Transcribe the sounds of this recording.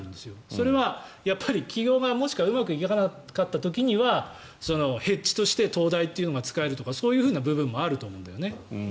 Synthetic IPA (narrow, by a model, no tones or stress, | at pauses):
ɯ̃nd̪e̞sɨjo̞so̞ɾe̞βajapːaɾʲikʲiɡʲo̞ːɡamo̞ɕi̥kaɯ̟makɯ̟ikʲekana | kat̪ːat̪o̞kʲiɲ̟iβa | so̞no̞he̞t͡ɕːi̥t̪o̞ɕi̥t̪e̞t̪o̞ːd̪ait̪ːe̞iɯ̟noɡat͡sɨ̥kae̞ɾɯ̟t̪o̞kaso̞ːjɯ̟ːɸɯ̟ːnabɯ̟bɯ̟̃mːo̞aɾɯ̟t̪o̞ːmoːnd̪ajo̞ne̞